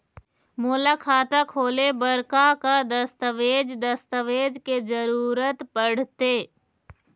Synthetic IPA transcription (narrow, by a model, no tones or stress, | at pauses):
moːlakʰaːt̪akʰoːlebəɾkakad̪əst̪əʋeːd͡ʒd̪əst̪əʋeːd͡ʒkezəɾuːɾət̪pəɽ̤t̪eː